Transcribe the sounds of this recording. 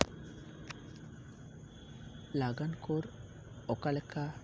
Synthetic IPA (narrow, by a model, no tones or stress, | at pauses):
laɡankʰoɾ | ɔkalɛka